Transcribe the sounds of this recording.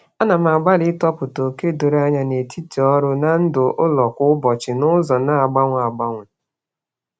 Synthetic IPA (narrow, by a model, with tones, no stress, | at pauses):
a˦na˨m̩˨a˨ɡ͡ba˦lɪ˦tɔ˦pʊ˨to˨ke˦do˨ɾa˦ɲa˦ne˨tʰi˦ti˨ɔ˦ɾʊ˦na˨n̩˦dʊ˨ʔʊ˦lɔ˨kʊ˦ʊ˦bɔ˨t͡ʃɪ˨nʊ˦zɔ˨na˦a˨ɡ͡ba˦ŋʷ˨a˨ɡ͡ba˦ŋʷʊ˨